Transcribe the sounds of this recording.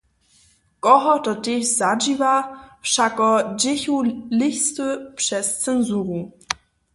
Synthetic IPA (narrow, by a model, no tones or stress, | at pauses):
kɔɦɔtɔteçzad͡ʒivaʃakɔd͡ʑɪçulɪçstəpʂɛst͡sɛnzuːʁu